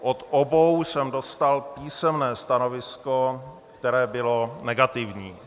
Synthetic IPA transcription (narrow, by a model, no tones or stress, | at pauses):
ʔot̪ʔobowsɛmdost̪alpiːsɛmnɛːst̪ano̞vɪsko | kt̪ɛɾɛːbɪlonɛɡat̪ɪvɲiː